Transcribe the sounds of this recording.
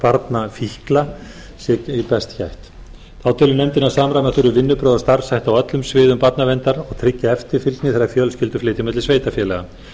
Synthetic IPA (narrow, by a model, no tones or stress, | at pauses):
paɾt̪nafihkla | sɛcipɛst̪çajht̪ | θaːwt̪ʰɪːlʏmnɛmt̪ɪnːḁsaːmɾajmɛθʏɾʏvɪnːʏpɾœːðast̪aɾ̥sajht̪awœt̪lʏmsvɪːðʏmpat̪navɛnt̪aɾɔɣt̪ʰɾɪcːaɛft̪ɪɾ̥fɪlt̪nɪθɛɾajfjœlscɪlt̪ʏ̥flɪːt̪ɪmɛt̪lɪsveːjt̪afjɛːlɛɣa